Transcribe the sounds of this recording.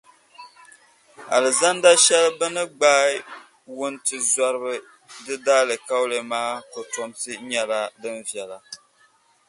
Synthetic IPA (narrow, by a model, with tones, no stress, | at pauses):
a˨lɨ˨za˦nda˦ʃɛ˦lbɨ˦nɨ˦ɡ͡baː˦ | wʊ˦ntɨ˨za˦ɾɨ˦bɨ˦ | dɨ˦da˦lɨ˨ka˦wlɨ˨maː˦ko˨to˨mtɨ˦ɲɛ˨la˦dɨ˦nvjɛ˨la˨